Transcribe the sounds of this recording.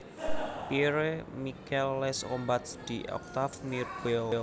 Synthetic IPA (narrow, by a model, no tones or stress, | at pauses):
piɾemikɛlːɛsɔmbat̪sd̪̥iʔɔ̰k̚t̪afmirbe